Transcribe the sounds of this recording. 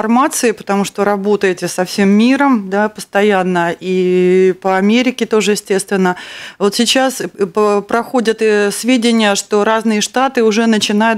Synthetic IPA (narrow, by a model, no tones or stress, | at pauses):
rmat̪sɨɪpə̥t̪ɐmuʂt̪o̞ɾɐbo̞t̪əjɪtʲɪsɐfsʲe̞mːʲiɾəmd̪apəst̪ɐjanːəʔipəɐmʲeɾʲɪkʲɪt̪o̞ʐɨjɪsʲtʲe̞st̪vʲɪnːəvo̞t̪sʲɪt͡ɕaspəpɾɐxo̞dʲət̪svʲedʲɪnʲɪjəʂt̪o̞ɾaznɨjəʂt̪at̪ɨʊʐɛnət͡ɕɪnajʊ